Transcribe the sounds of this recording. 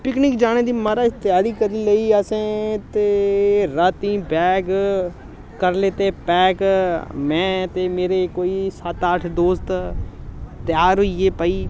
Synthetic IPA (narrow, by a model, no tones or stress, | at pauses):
pɪknɪkd͡ʒaːñeːd̪iːməɾaːɪst̪ɪjaːɽiːkəɾiːləiːəsẽːt̪eːɾaːt̪ĩːbɛːɡ | kəɾleːt̪eːpɛːkmɛ̃ːt̪eːmeːɾekoːiːsət̪aʈʰd̪oːst̪ | t̪ɪjaːɾɦoieːpəːiː